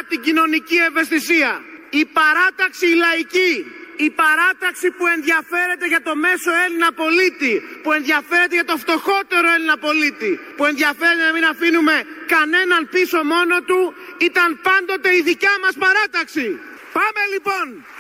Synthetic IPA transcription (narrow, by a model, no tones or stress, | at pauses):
t̪iɟino̞nicie̞ɱve̞st̪isiɐipɐɾɐt̪ɐksiːlɐiciːpɐɾɐt̪ɐksipue̞nðɐfe̞ɾe̞t̪e̞ʝɐt̪o̞me̞so̞e̞linɐpo̞lit̪ipue̞nðʝɐfe̞ɾe̞t̪eʝɐt̪o̞ft̪o̞xo̞t̪e̞ɾo̞e̞linɐpo̞lit̪i | pue̞nðjɐfe̞ɾet̪enɐminɐfinume̞kɐne̞nɐnpiso̞mo̞no̞t̪uit̪ɐnpɐnd̪o̞t̪e̞iðicɐmɐspɐɾɐt̪ɐksi | pɐme̞lipo̞n